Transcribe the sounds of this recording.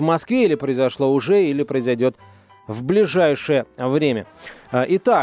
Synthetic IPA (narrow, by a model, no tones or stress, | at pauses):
vmɐskvʲeilʲɪpɾəɪzɐʂlˠo̞ʊʐɛilʲɪpɾəɪzɐjdʲo̞t̪ | vblʲɪʐajʂɨjəvɾʲemʲəʔɪt̪a